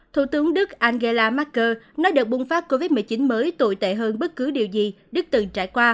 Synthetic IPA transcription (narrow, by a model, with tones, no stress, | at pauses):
t̪ʰṵ˧˩t̪ɨ˨˦əŋɗɨ˦˥k̚ʔaː˧nɣe˧laː˧maː˦˥t̚kəː˧nɔ˨˦jɗɨ˨˩ək̚ɓu˧ŋ͡mfaː˦˥p̚ko˧vi˦˥t̚mɨ˨˩əjt͡ɕi˨˦nməː˨˦jt̪o̰˧˨jt̪ḛ˧˨ɦəː˧nɓə˦˥t̚kɨ˨˦ɗi˨˩əwzi˨˩ | ɗɨ˦˥k̚t̪ɨ˨˩ŋt͡ɕa̰ː˧˩jkwaː˧